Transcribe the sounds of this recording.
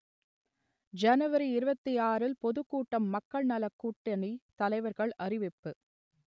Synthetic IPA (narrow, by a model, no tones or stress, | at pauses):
d͡ʒɐnɯʋɐɾiɪɾɯbɐt̪ːiaːɾɪlpɔðɯkːuːʈːɐmːɐkːɐɭnɐlɐkːuːʈːɐnit̪ɐlɐɪʋɐɾɣɐɭɐrɪʋɪpːɯ